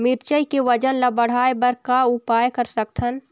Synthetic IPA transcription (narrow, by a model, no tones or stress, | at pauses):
mɪɾt͡ʃəjkeʋəd͡ʒənlabəɽ̤aːebəɾkaʊpaːjkəɾsək̚t̪ʰən